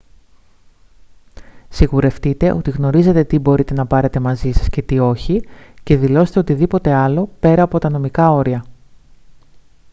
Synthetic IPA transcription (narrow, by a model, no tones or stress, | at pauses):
siɣuɾe̞ft̪it̪e̞ʔo̞t̪iɣno̞ɾize̞t̪e̞t̪ibo̞ɾit̪e̞nɐpɐɾe̞t̪e̞mɐzisɐ̥sce̞t̪io̞çice̞ðilo̞se̥t̪e̞o̞t̪iðipo̞t̪e̞ɐlo̞pe̞ɾɐːpo̞t̪ɐno̞mikɐo̞ɾiɐ